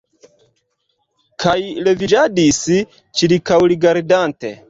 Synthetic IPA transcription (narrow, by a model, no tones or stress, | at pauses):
kʰajlevid͡ʒadisi | t͡ʃiɾikawliɡaɾdantḛ